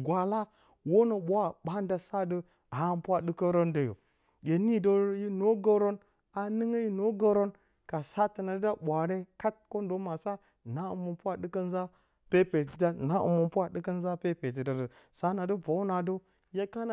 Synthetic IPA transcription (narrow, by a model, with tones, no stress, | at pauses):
ɡʷa˨la˦ | wo˦no˨ɓʷa˦ɓa˦n˦da˨sa˦də˦˨ | a˨˦mpʷa˦ɗɨ˦kə˦ɾo˦ndə˨jo̰˨ | je˨ni˦do˦ji˦no˦ɡo˦ɾo˦n | a˨nɨ˦ŋə˦ji˦no˦ɡo˦ɾo˦n | ka˨sa˦tə˨na˨də˦da˦ɓʷa˨ɾe˦ka˦t̚ko˦ndo˦ma˨sa˦ | na˦ṵ˨mə˨pu˦a˦ɗɨ˦kə˦n˦za˦ | pe˦pe˨ti˨da˦na˦ʔṵ˨mu˨mpʷa˦dɨ˦kə˦n˦za˦pe˦pe˨t̬i˨da˨də˨ | sa˦na˨də˦va˨˦u˦na˨də˦ | ja˦ka˦na˨